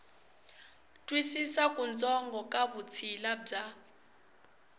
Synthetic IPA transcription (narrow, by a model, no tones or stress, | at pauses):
tʼwisisakʼund͡zʱɔŋɡʱɔkʼaβut͡sʰilab͡ʐa